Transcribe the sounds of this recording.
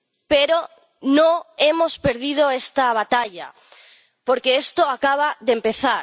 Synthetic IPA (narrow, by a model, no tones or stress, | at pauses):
peɾo | nõe̞mospeɾð̞ið̞oest̪aβ̞at̪aʎa̰ | poɾkeest̪oakaβ̞aðempe̞θaɾ